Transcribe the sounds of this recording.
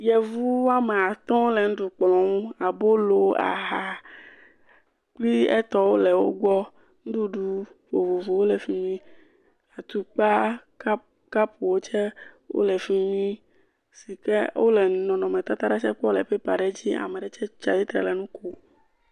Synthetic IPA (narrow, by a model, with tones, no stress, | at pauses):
jɛ˨vu˦wa˦me˨a˨t̪ɔ̃˦lɛ˨ŋ̩̃˦ɖu˨k͡plɔ̃˨ŋũ˦a˨bo˦lo˨a̰˨ɦa˨ | k͡pli˦ɛ̰˦t̪ɔ˦wo˦lɛ˨wo̰˦ɡ͡bɔ˦ | ŋ̩˦d̪u˦ɖu˦vo˨vo˨vo˨wo˦lɛ˨fi˦mĩ˦ | a˨t̪u˨k͡pa˦ | a˦ | ka˦pʰu˨wo˦t͡ʃɛ˦ | wo̰˦lɛ˨fi˦mĩ˦ | si˨kɛ˦wʔo̰˦lɛ˨˦nɔ̃˨nɔ̃˨mẽ˨t̪a˦t̪a˦ɾa˦t͡ʃɛ˦k͡pɔ˦lɛ˨ɸe˦pa˨ɖɛ˦d͡ʑi˦a̰˨me˨ɖɛ˨t͡ʃɛ˦t͡ʃa˨di˦t̪ɾɛ̰˨lɛ˨nũ˦ko˦